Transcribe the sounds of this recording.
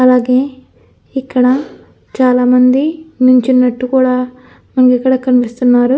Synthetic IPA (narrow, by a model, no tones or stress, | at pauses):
ɐlaːɡe̞ː | ikːɐɽɐ | t͡ʃaːlaːmɐnd̪inuɲt͡ʃinːɐʈːukuːɽaː | mɐnɐkikːɐɽɐkɐnipist̪unːaːɾu